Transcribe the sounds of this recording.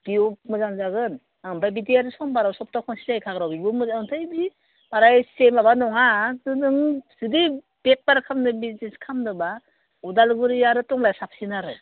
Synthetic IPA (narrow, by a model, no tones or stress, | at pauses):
b̥iɔmɯzanzaɡɯn | aŋbajbidiaɾɯsɔmbaɾawsɔp̚takʰɔnsizajkʰaɡɾawbibɯmɯzantʰajbi | baɾajsemabanɔɦadɯnɯŋsidi | b̥ep̚paɾkʰamnɯbizneskʰamdɯba | udalɡuɾijaɾɯtɔŋlajsap̚sinaɾɯ